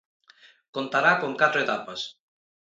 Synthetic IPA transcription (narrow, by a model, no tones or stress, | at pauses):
kont̪aɾakoŋkat̪ɾoet̪apas